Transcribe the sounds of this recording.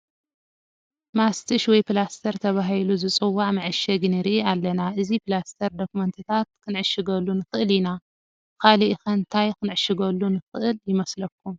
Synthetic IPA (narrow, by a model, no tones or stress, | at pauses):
mast̪ʰɨʃwɔjpɨlast̪ʰɐɾt̪ʰɐβaɦiluzɨt͡sʼɨwːaʕmɐʕɨʃɐɡnɨɾiʔialːɐnaʔɨzipɨlast̪ʰɐɾd̪okumɐnt̪ʰɨt̪ʰat̪̚kʰɨnʕɨʃɨɡɐlːunɨxɨʔɨlina | kʰaliʔxɐnt̪ʰajkʰɨnʕɨʃɨɡɐlːunɨxɨʔɨljɪmɐslɐk̚ʰːum